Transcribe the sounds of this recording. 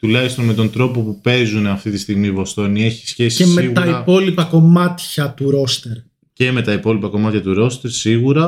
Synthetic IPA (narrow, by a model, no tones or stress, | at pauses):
t̪ulɐçist̪o̞nme̞t̪o̞nd̪ɾo̞po̞pupe̞zuneɐft̪it̪i̥st̪iɣmivo̞st̪o̞nie̞çi̥sçe̞siemeɣɐiɐpo̞lipɐko̞mɐt̪çɐt̪uɾo̞st̪eɾ | ce̞me̞t̪ɐipo̞lipɐko̞mɐt̪çɐt̪uɾo̞st̪e̞ɾsiɣuɾɐ